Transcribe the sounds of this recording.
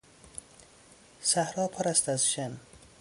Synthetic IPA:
sæhɾɒːpʰɒɾæst̪æzʃen

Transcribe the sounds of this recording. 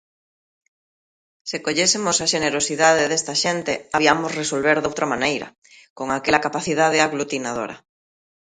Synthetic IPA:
sekoʎesemosaʃeneɾosiðað̞eðest̪aʃent̪eaβiamozresolβeɾðowt̪ɾamãnejɾa̰ | koŋakelakapaθiðað̞eaɣlut̪inað̞o̰ɾa̰

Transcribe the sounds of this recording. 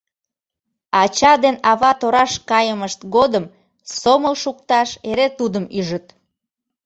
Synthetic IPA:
ɑt͡ɕɑd̪enɑβɑt̪oɾɑʃkɑjəməʃt̪ɡod̪əm | soməlʃuk̚t̪ɑʃeɾet̪ud̪əmyʒət̪

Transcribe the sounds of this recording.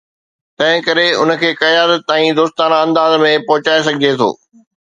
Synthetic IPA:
t̪ɐ̃ɦɪ̃kɐɾeʊnə̆kʰeːkɐjaːɾət̪ːaːĩd̪oːst̪aːnaɐ̃nd̪aːzmẽpɔɦʊt͡ɕaːes̬ɐɡʱɪd͡ʑet̪ʰo̰ː

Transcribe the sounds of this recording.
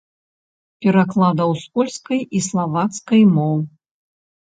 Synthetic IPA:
pʲɛɾaklˠad̪ɐwspɔlʲskɐjislˠavat̪skɐjmɔw

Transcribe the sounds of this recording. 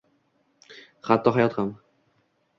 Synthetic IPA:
χat̪ʰːɒɦajɒt̪ham

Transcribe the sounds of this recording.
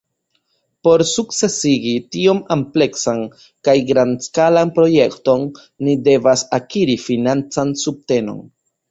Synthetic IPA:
po̞ɾsukt͡se̞siɡitio̞mample̞ksan | kajɡɾanskalanpɾo̞je̞kto̞nː | ide̞vasakiɾifinant͡sansub̚te̞no̞̰n

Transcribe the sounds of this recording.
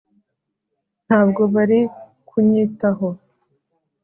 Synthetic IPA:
n̥haːbɡo̞βaɾi | kʰuɲitaɦo

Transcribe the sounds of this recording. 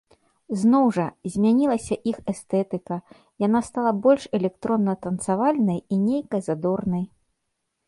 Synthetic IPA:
znɔwʐɐzʲmʲanʲilˠɐsʲɐʔixɛst̪ɛt̪ɨkɐ | janast̪alˠɐbɔlʲʂɛlʲɛk̚t̪ɾɔnːɐt̪ɐnt̪savalʲnɐjinʲejkɐzad̪ɔrnɐj

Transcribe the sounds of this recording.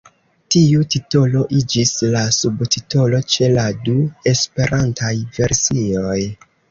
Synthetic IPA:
tiutito̞lo̞ʔid͡ʒislasubtito̞lo̞t͡ʃe̞ladue̞spe̞ɾʔantʰajve̞ɾsio̞j

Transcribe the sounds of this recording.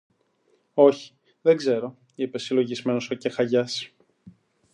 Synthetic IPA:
o̞çi̥ | ðeɡze̞ɾo̞ | ipe̞silo̞ʝizme̞nosɐcexɐʝɐs

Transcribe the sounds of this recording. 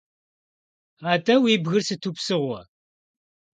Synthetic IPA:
aːtʼɐwiːbɣɨrsɨtʰuːpsɨʁʷɔ̰

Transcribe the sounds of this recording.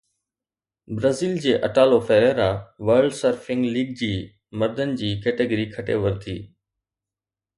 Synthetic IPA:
bɾəziːld͡ʑeːʔɐʈaːlofɛːeɾaːʋəɾɖsəɾfɪ̃ŋɡliːɡ̚d͡ʑiː | mɐɾd̪ʱənɪ̆d͡ʑiːkeːʈəɡəɾikʰɐʈḛʋɐɾt̪ʰiː

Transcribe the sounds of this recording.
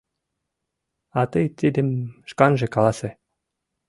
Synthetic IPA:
ɑt̪ɤjt̪ʲid̪ɘ̆mʃkɑnʒĕkɑlˠɑse

